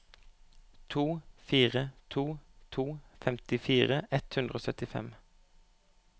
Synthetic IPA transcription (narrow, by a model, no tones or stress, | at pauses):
t̪ʰuːfiːʁət̪ʰuːt̪ʰuːfɛmt̪ɪfiːʁəʔɛt̪hʉnd̪ʁəoːsœt̪ɪfɛ̰m